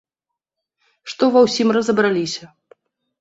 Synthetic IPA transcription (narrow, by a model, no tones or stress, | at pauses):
ʂt̪ɔvɐwsʲimrɐzɐbɾalʲisʲɐ